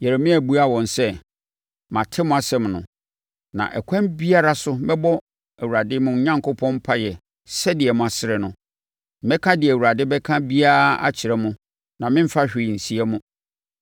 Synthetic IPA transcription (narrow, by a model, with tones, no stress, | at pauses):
jɛ˨ɾe˨mĩ˦æ˨bu˦a˦wɔ̃˨n˨sɛ˦ | mã˨tʰɪ˦mʊ̃˦a˨sɛ̃˦mnʊ̃˨ | nã̰˨ʔɛ̰˨kʰʷã˦mbi˦a˦ɾa˦sʊ˦mɛ˦bɔ˦ | æ˨wu˨a˨dɪ˦mʊ̃˨ɲ˦ɲã˦ŋkʰo˦pʰɔ̃˦m˦pʰa˦jɛ˨ | sɛ˦dɪ˨ɛ˨mʊ̃˨a˨sɪ˦ɾɪ˨nʊ̃˨ | mɛ˦kʰã˦dɪ˨ɛ˨wu˨ɾa˨dɪ˦bɛ˦kʰã˦bi˦a˦a̰˦t͡ɕʰɪ˨ɾɛ˦mʊ̃˦ | nã˨mɪ̃˦m̩˦fa˦ɕᶣɪ˨n̩˨si˦ɛ˦mʊ̃˦